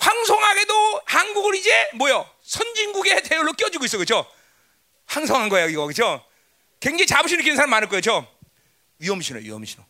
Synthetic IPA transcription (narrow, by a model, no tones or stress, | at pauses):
ɸwaŋsʰoŋɦaɡe̞dohanɡuɡɯɾid͡ʑemwʌjo | sʰʌnd͡ʑinɡuɡetejoɭːok͈jʌd͡ʑuiɡoisʌkɯt͡ɕʰo | ɸwaŋsʰʌŋɦanɡʌejiɡʌkɯt͡ɕʰo | kweŋd͡ʑeit͡ɕabɯɕʰinɯkʰinɯnsʰamanɯɭk͈oet͡ɕʰo | ɥiʌmɕʰino̰ɥḭɦʌ̰mɕʰino